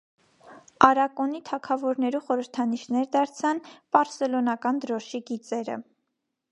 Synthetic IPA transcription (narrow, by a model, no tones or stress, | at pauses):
ɑɾɑkɔnit̪ʰɑkʰɑvɔɾnɛɾuχɔɾəɾt̪ʰɑniʃnɛɾd̪ɑɾt͡sʰɑnb̥ɑɾsɛlɔnɑkɑnd̪əɾɔʃiɡit͡sɛɾə̰